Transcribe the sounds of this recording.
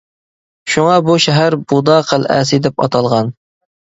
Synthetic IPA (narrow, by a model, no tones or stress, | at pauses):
ʃuŋɑbuʃɛɦæɾbud̪ɑːqʰəlæ̰sɪd̪ɛpɑ̰t̪ʰɑlˠʁɑn